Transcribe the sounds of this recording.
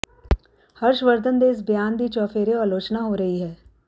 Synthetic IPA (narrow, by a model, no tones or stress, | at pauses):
hɐɾʃʋəɾd̪ʱənd̪eːs̬bɪjaːnd̪it͡ʃɔːfeːɾeaːloːt͡ʃnaɦoɾɐɦiɦɛː